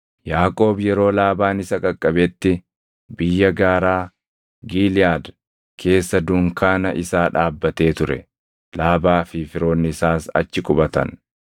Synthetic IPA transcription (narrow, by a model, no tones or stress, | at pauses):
jaːkʼo̞ːbjɛɾo̞ːlaːbaːnɪsɐkʼɐkʼːɐbɛt̪ːɪ | bɪjːɐɡaːɾaː | ɡiːlɪaːd̪ | kʰe̞ːsːɐd̪ʊŋkaːnɐʔɪsaːᶑaːbːɐt̪e̞ːt̪ʊɾɛ̰ | laːbaːfɪfɪɾo̞ːnːɪɪsaːsɐ̰t͡ʃːɪkʼʊbɐt̪ɐ̰n